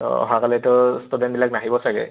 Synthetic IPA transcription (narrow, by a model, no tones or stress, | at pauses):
ɔ̰ɦakalɛtɔstudɛnbilak̚naɦibɔsaɡɛ̰